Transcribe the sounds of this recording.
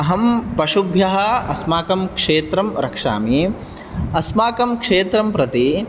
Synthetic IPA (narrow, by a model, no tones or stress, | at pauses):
ɐɦɐmpɐʂubʱjɐɦɐ̆ɐ̰smaːkɐmkʂeːt̪ɾɐmɾɐkʂa̰ːmi | ɐsmaːkɐmkʂeːt̪ɾɐmpɾɐt̪i